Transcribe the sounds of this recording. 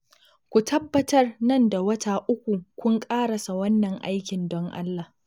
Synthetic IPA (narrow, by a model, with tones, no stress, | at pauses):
kʷu˨tʰɐ˦bːɐ˦tɐ˦rnɐ˦nda˨wɐ˦taː˨ʔʊ˦kʷu˨kʷʊ˦ŋkʼaː˦ɽɐ˨sa˨wɐ˦nːɐ˨ŋʔa̰˦jkʲɪ˨ndɔ˦ŋʔa̰˦lːa˨h